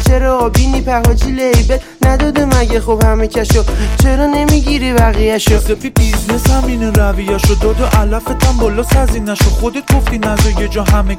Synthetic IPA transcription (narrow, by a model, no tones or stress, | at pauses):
t͡ʃʰeɾɒːbinipʰæhɒd͡ʒilejbe | næd̪ɒːd̪æmæɟæxobhæmecʰʲæʃot͡ʃʰeɾɒnemiɟiːɾivæɣijæʃod̪ebibizneshæmineɾævijæʃod̪ɒd̪oʔælæfet̪ʰæmbɒːlɔːsæzinæʃod̪χod̪et̪̚ɡoft̪inæzɔjed͡ʒɒɦæme